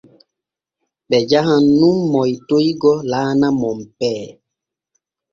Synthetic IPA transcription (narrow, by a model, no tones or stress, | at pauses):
ɓɛd͡ʒaɦãnːũmːɔjtojɡɔlaːnamɔmpɛː